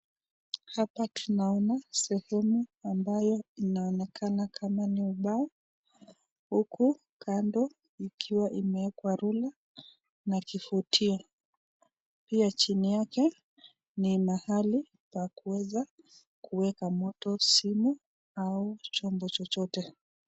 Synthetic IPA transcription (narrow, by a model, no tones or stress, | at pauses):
hapatunaɔnasɛhɛmuambajɔinaɔnɛkʰanakʰamaniuɓaɔ | huku | kʰandɔ | ikʰiwaʔimɛɛkwaɾula | nakifutʰiɔ | piat͡ʃinijakɛ | nimahali | pakuwɛza | kuwɛkamɔtɔsimu | aut͡ʃɔmbɔt͡ʃɔt͡ʃɔtɛ